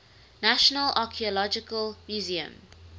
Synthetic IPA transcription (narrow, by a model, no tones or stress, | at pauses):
naʃənəlʔakʰiɔlɔd͡ʒɪkəlmjuziə̰̃m